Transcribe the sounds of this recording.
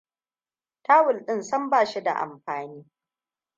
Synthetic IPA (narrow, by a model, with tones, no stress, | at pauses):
taː˦wʊ˨lɗɪ˦nsɐ˦mbaː˦˨ʃi˦da̰˨ʔa̰˨mɸaː˨niː˦